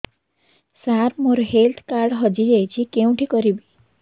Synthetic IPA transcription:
saɾmoɾoɦelt̪ʰkaɾɖɦɔd͡ʒid͡ʒajt͡ʃʰikeũʈʰikɔɾibi

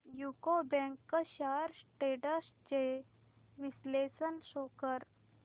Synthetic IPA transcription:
jukobɛ̃ŋkːəɕaɾsʈeʈəs | t͡ɕe | ʋislesənɕokəɾ

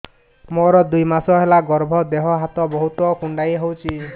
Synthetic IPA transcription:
moɾɔd̪ujmasɔɦelaɡɔɾbʱɔd̪eɦɔɦat̪ɔbɔɦut̪ɔkuɳɖajɦowt͡ʃʰi

